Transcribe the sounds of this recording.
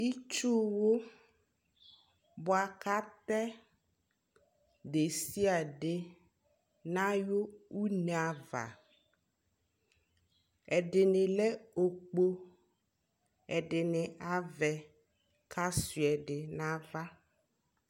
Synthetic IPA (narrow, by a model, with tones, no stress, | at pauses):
i˦t͡ʃu˦wo˦ | bɔ˨a˨ka˦t̪ɛ˦ | ɖe˨si˦a˨ɖɪ˨ | nã˦jo˦u˦nɛ̃˨a˨va̰˨ | ɛ˨ɖɪ˨nɪ̃˨lɛ˦o˨k͡po˦ | ɛ˨ɖɪ˨nɪ̃˨a˦vɛ˨ | kʰa˦si˨ɛ˨ɖɪ˨nã˦va˦